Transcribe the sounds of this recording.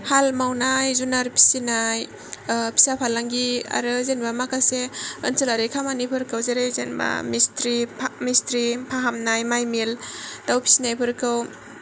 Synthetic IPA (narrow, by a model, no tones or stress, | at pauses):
halmawnajzunaɾpʰi̥sinaj | pʰi̥sapʰalaŋɡia̰ɾɯzenbamakaseə̰nsɯlaɾekʰamanipʰɯɾkɯwzeɾejzenba̰mistɾimistɾipʰaɦamnajmajmildawpʰi̥sinajpʰɯɾkʰɯw